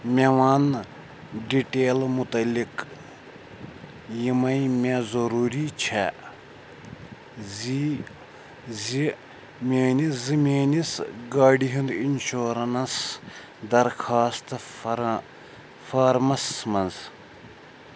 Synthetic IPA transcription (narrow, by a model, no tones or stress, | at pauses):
mʲeʋaːn | ɖiʈeːlmut̪ɐlːik | jimɐjmʲezɐɾuːɾit͡ʃʰɛ | zi | zi | mʲeːnizimʲeːnisɡaːɖiɦind̪inʃoːɾɐnɐs | d̪ɐɾkʰaːst̪ | faɾmɐsmɐnz